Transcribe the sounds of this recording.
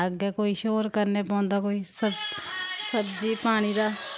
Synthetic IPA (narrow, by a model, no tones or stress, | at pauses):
əɡɛkoːiːʃoːɾkəɾneːpɔ̃ːnd̪aːkoːisəbsəbd͡ʒiːpaːɽ̃iːd̪aː